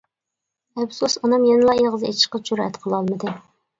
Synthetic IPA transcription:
ɛpsusɑnɑmjenɨlˠɑeʁəzet͡ʃʰi̥ʃqɑt͡ʃuɾ̰ɛ̰t̪qʰəlˠɑlˠmɨd̪ɨ

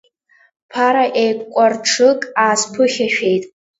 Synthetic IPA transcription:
pʰaɾaʔejkʷkʷʼarʈ͡ʂʰɨkʼaːspʰɨχʲaʃᶣe̞jtʼ

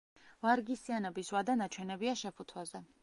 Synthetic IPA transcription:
vaɾɡisianɔbiswad̪anat͡ʃʰwɛnɛbiaʃɛpʰut̪ʰwazɛ

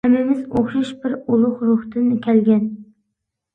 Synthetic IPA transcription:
hɛmːɪmɪzoχʃɑʃbɪɾulˠʊχɾʊht̪ɨnkʲʰɛlɡʲɛn

